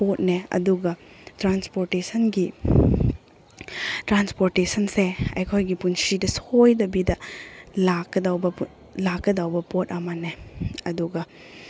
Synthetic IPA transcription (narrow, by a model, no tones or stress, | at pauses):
pot̚neɐ̰duɡɐ | tɾanspoɾtesɐnɡi | tɾanspoɾtesɐnseɐ̰jkʰojɡipunsidɐsojdɐbidɐlakːɐdawbɐ | lakːɐdawbɐpot̚ɐmɐneɐduɡɐ